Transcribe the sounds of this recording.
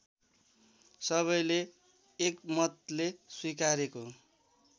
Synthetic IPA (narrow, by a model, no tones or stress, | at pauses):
sʌβʌjleː | kmʌt̪leswikaɾeko